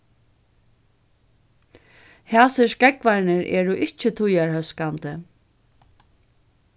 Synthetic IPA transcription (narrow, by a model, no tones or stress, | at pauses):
haːsɪʂkɛkvaɾnɪɾʔɛ̰ːɾʊʔɪht͡ʃɪt̪ʰʊjaɹhœskant̪ə